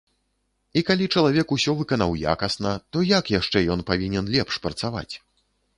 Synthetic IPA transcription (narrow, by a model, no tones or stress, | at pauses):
ikalʲit͡ʂɐlˠavʲɛkusʲɔvɨkɐnawja̰kɐsnɐt̪ɔjakjaʂt͡ʂɛjɔnpavʲinʲɛnlʲɛpʂpɾɐt̪sava̰t͡sʲ